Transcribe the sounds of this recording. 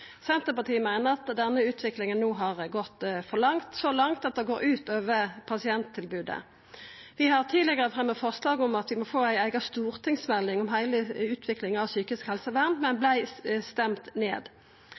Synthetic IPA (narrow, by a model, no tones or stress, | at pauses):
sɛnt̪əpɑt̪ʰiːəmæɪnəʁɑt̪d̪ɛnːəʉːt̪ʰʋɪklɪŋənːuːɦɑʁɡɔt̪ːfɔʁlɑŋt̪sɔlɑŋt̪ɑt̪̚d̪ɛɡoːɾʉːt̪øːʋəpʰɑsɪɛnt̪ʰːɪlbʉːd̪ə̰ | ʋɪhɑʁt̪ʰiːlɪɡəʁəfʁɛmːəfɔʁslɑːɡɔmɑt̪ʋɪmɔfoːæɪæɪɡɑst̪uːʁt̪ʰɪŋsmɛlːɪŋɔmɦæɪləʉːt̪ʰʋɪklɪŋɑʋsyːkɪskhɛlsəʋæʁmmɛnblæɪst̪ɛmt̪nḛːd̪